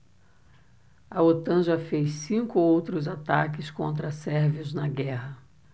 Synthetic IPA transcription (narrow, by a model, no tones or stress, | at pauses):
ɐot̪ɐ̃ʒafejssĩkʊowt̪ɾʊzat̪a̰kɪskõ̰nt̪ɾɐsɛɾviʊznɐɡɛɦɐ